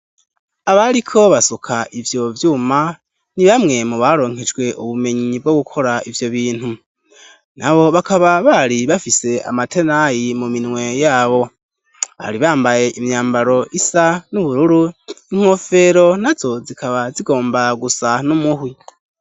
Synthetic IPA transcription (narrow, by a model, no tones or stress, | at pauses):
aβaɾikʰo̞βasokʰaʔivjo̞vjuːma | niβamŋe̞muβaɾo̞ːŋ̥he̞d͡ʒɡwe̞ʔuβume̞ɲibɡoɡukʰo̞ɾaʔivjo̞βiːn̥hu | naβo̞βakaβaβaɾiβafise̞a̰matʰe̞najimuminŋwe̞jaːβo̞ | βa̰ɾiβaːmbaje̞ʔimjaːmbaɾo̞ʔisanuβuɾuɾuiŋ̥ho̞fe̞ɾo̞nazo̞zikʰaβaziɡo̞ːmbaɡusanumuhwi